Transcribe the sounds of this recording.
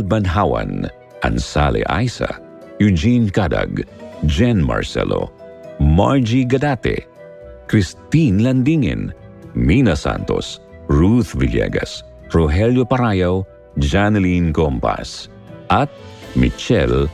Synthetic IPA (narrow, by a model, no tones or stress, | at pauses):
lbɐnɦawɐ̰n | ʔɐnsalɛ̰ʔajsa̰ | jud͡ʒinkad̪ɐ̰ɡd͡ʒɛnmɐ̰ɹsɛ̰lo̰ | maɹd͡ʒiɡɐd̪at̪ɛ̰ | kɾist̪inlɐnd̪iŋɛ̰nminɐsa̰nt̪o̞sɹuθvɪljɛ̰ɡɐs | pɹoɦɛljopɐɾaːjaw | d͡ʒanɛlinkompa̰s | ʔɐt̪̚mɪt͡ʃɛl